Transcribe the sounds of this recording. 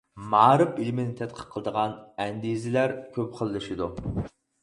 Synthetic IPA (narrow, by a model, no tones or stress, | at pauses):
mɑːɾɨpilmɪnɪt̪ʰɛt̪̚qʰə̥qqʰːəlˠəd̪əʁɑnɛnd̪izɪlæɾkʲʰøpqʰəlˠːɨʃid̪u